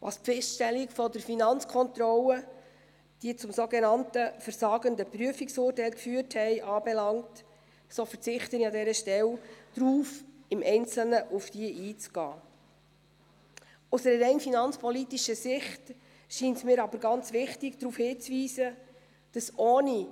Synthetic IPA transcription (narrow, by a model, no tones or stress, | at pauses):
ʋɑ̰ːspfɛstʃtɛlːikfɔdəɾfinɑnt͡skʰɔnt̪rɔlə | d̥iːt͡sʊmsoɡenɑntəfəɾsɑːɡəndəpryəfiksʊːrtɛɪlkfyːərthɛɪʔɑːbɛlɑŋt | soːfəɾt͡sɪχtəniɑdɛɾəʃtɛld̥ɾuːfɪmʔɛɪnt͡sl̩nəʔufd̥iəʔiːt͡sɡ̥ɑ̰ː | ʊsəɾəɾɛɪnfinɑnt͡spʰɔlitiʃəsɪχt | ʃiːntmɪːɾɑbəɾɡɑnt͡sʋɪχtɪɡd̥̪ɾuːfhɪːt͡sviːsə | d̥ɑsʔoːni